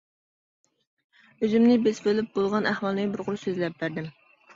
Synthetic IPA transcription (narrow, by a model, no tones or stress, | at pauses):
øzymnɪbesbølyp̚bolˠʁɑnæhwɑlˠnɪbɨɾʁʊɾusøzlɛp̚bæɾd̪ɪm